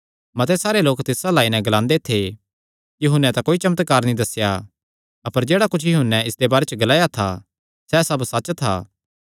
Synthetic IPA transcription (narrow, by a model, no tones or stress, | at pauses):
mɐt̪ɛsaːɾeloːkt̪ɪsalaːinɛ̃ɡɐlãːnd̪et̪ʰe | kjiɦʊnːɛ̃t̪akoːit͡ʃɐmət̪kaːɾnĩd̪ɐsːja | ɐpəɾd͡ʒeːɽakʊt͡ʃʰjʊɦʊnːɛ̃ɪsd̪ebaːɾet͡ʃəɡɐlaːjat̪ʰa̰ | sɛsɐbsɐt͡ʃt̪ʰa̰ː